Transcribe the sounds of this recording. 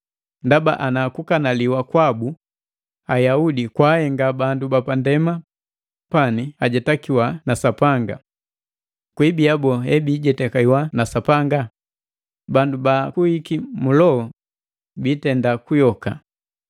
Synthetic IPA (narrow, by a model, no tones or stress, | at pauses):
ndaba̰ʔanakukanaliwakwabu | ajaudikwahɛŋɡabandubapandɛma | paniaɟɛtakiwanasapaŋɡa̰ | kwibiabɔɦɛbiːɟɛtɛkaiwanasapaŋɡa | bandubakuhikimulɔɔ | biːtɛndakujɔka̰